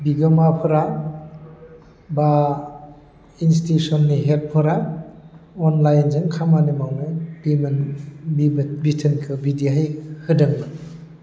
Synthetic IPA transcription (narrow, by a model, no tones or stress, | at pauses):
biɡɔmapʰɯɾa | ba | instiusɔnːiɦel̚pʰɔɾa | ɔnlajnzɯŋkʰamanimawnɯbimɯnbibitʰɯnkʰɯbidiɦajhɯdɯŋnɯ